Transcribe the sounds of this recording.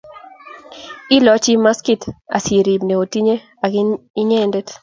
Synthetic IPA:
ɪ˦lɔ˦t͡ʃi˦ma˦ski˦ta̰˨se˨ɾi˨bne˨o˨ti˦ɲe˦ | a˨ɡɪ˦i˦ɲɛ˦ndɛ˦t

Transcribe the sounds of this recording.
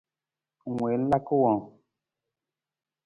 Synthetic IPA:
ŋwe˨˦n̩˦la˦ku˦wɔ̃˨

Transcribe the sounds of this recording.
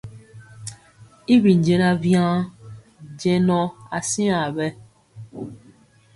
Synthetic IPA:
i˦bi˨n˨d͡ʒɛ˦na˦vjã˦ | d͡ʒɛ˦nɔ˦a˨si˦ã˨bɛ˦

